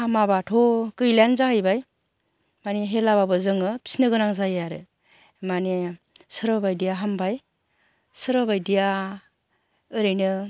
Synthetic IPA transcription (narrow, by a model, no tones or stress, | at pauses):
hamabatʰokɯjlanzahɯjbaj | maneɦelaβabɯzɯŋɯpʰi̥snɯɡɯnaŋzajaɾɯ | mane | sɯɾɔbajdijaɦambaj | sɯɾbajdija | ɯɾɯjnɯ